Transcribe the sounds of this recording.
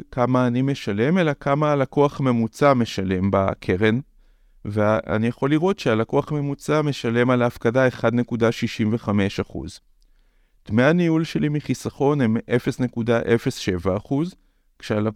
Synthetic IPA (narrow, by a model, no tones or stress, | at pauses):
kamaːnime̞ʃale̞me̞lakʰamaːlakoaχme̞mut͡same̞ʃale̞mba̰kʰeʁe̞n | vea̰nijaχo̞liʁo̞tʃealakoaχme̞mut͡same̞ʃale̞malaːfkadae̞χad̪ne̞kudaʃiʃimve̞χame̞ʃaχṵz | tmeaniulʃe̞limiχisaχo̞ne̞me̞fe̞sne̞kudaʔe̞fe̞sʃe̞vaːχuz | kʃeala